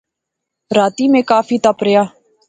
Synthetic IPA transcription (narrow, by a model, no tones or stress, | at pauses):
ɾaːt̪iːmẽːkaːfiːt̪əpɾɪjaː